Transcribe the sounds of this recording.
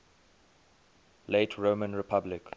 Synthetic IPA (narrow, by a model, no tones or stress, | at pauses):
leɪtʰɹoːmə̃nɹɪpʰablɪk